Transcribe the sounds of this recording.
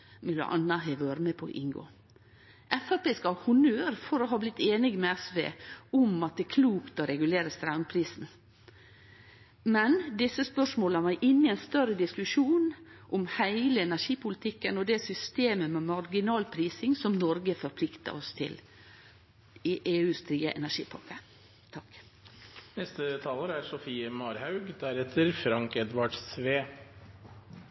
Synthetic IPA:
mɪlə̰ʔɑ̰nːɑɦæɪʋøːɾəmɛpʰɔ̰ʔɪ̰ŋɡo̰ː | ʔɛfəpɛskɑhʊnøːɾfɔɾɔɦɑːblɪt̪ːeːnɪɡmɛæsʋḛːʊmɑt̪̚d̪ɛːkʰluːkt̪ɔɾɛɡʉleːɾəst̪ɾaʉnpʰɾiːsn̩ | mɛnd̪ɪsːəspœʂmoːləʋæɪʔɪnːɪɛɪnst̪œɾəd̪ɪskʉʂuːnʔɔmhæɪləɛnæʂiːpʊlɪt̪ʰɪkːənɔd̪ɛsʏst̪eːməmɛmɑɾɡɪnɑːlpʰɾiːsɪŋsɔmnɔɾɡəfɔɾpʰlɪkt̪ə̰ɾɔst̪ʰɪ̰l | ɪʔeːʉːst̪ɾiːə̰ʔɛ̰næʂḭːpʰɑ̰kə | t̪ʰɑk | nɛst̪ət̪ʰɑːləɾæɾsɔfiːəmɑːɾhɑʉɡd̪æɾɛt̪ʰːəɾfɾɑŋkɛd̪ʋɑɖsʋeː

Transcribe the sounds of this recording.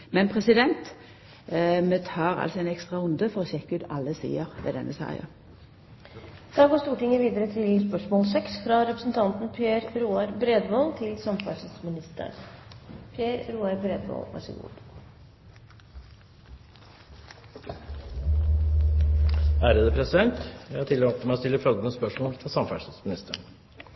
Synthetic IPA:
mɛnpʰʁɛsɪd̪ɛnt̪ | meːt̪ʰɑːʁɑ̰lsɔɛɪnɛkst̪ʁɑʊnd̪əfɔʁɔːɕɛkːʉːt̪ɑ̰lːəsḭːəʁʋɛ̰ːd̪ɛ̰nʔəsɑ̰ːjə̰ | d̪̥ɑːɡoːst̪uːʈɪŋəʋiːd̪əɾət̪ʰɪlspœʂmoːlsɛksfɾɑɾɛpɾə̥sn̩t̪ʰɑnt̪n̩pʰeːɾɾuːɑɾbɾeːd̪ʋɔlt̪ʰɪlsɑmfɑsəsmɪnɪst̪ə̰ɾ | pʰjeːɾɾuːɑɾbɾeːd̪ʋo̰lʋæ̰ʂɪ̰ɡṵː | æːɾəd̪əpʰɾɛsɪd̪ɛnt̪jæɪhɑʈ̪ʰɪloːt̪əmæɪɔst̪ɪlːəfɾɔlɡənəspœʂmoːlt̪ʰɪlsɑmfæʂt̪smɪnɪst̪əɳ

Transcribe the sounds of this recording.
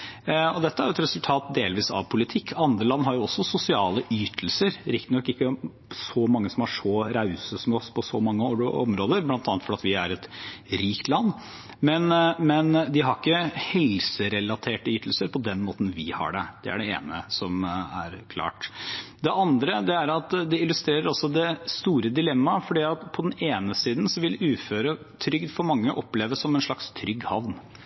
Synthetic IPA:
ɔd̪ɛt̪ːəæɾjʊɛt̪ɾɛsʉlt̪ʰɑːt̪̚d̪eːlʋiːsɑ̰ʋpʰʊlɪt̪ʰɪkːɑnd̪ɾəlɑnːɦɑɾjʊɔsːɔsʊsɪɑːləʔyːt̪ʰlsəɾɾɪkt̪ənɔkːɪkːə | sɔmɑŋːəsɔmɑʂɔɾɑʉsəsmɛɔspʰɔsɔmɑŋːəɔ̰mɾoːd̪əɾblɑnt̪ɑnət̪fɔɾɑt̪ʋɪæɾɛt̪ɾiːkt̪lɑnː | mɛnmɛnd̪ɪɦɑɾɪkːəhɛlsəɾɛlɑt̪ʰeːʈəjʏt̪ʰl̩səɾpʰɔd̪ɛnmoːt̪n̩ʋɪhɑ̰ɖɛ̰d̪̥ɛæ̰ɖɛḛːnə̰sɔmæ̰ɾkʰlɑ̰ːʈd̪ɛʔɑnd̪ɾəd̪ɛæɾɑt̪d̪ɛɪlʉst̪ɾeːɾəɾɑsɔd̪ɛst̪uːɾəd̪ɪlɛmːɑfɔɖiːɑt̪pʰɔd̪ɛneːnəsiːd̪n̩sɔʋɪlʉːføːɾə | t̪ʰɾʏɡd̪fɔɾmɑŋːəʔɔpleːʋəsɔmɛnʂɭɑkst̪ʰɾʏɡhɑʋn

